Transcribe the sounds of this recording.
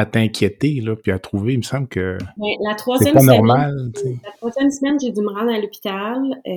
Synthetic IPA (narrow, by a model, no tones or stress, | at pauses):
at̪ɛ̃kʲʰjet̪elɔpiat̪ʁuveməsɑ̃blkʲəbɛ̃lat̪χwazsɛjɛmpɔnɔʁmalt͡selat̪χwazjɛmsimɛmʒed̪iməʁɑ̃d̪ʁalɔpi̥t̪al